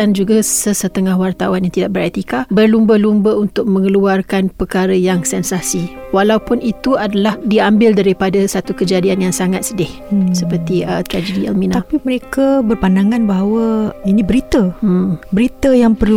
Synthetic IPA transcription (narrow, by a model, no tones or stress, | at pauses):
and͡ʒuɡasəsət̪əŋahwart̪awanjaŋt̪idaʔ̚bəɾɛt̪ikabərlumbəlumbəunt̪ʊk̚mə̃ŋəluarkanpəkaɾəjaŋsɛnsasiwalawpʊnit̪uadalahdiambɪldaɾipadasat̪ukəd͡ʒadianjaŋsaŋat̪̚sədɪhsəpərt̪iət̪ɾad͡ʒədiɛ̰lminaapiməɾekabərpandaŋãnbaɦawəinĩbəɾit̪əbəɾit̪əjaŋpərl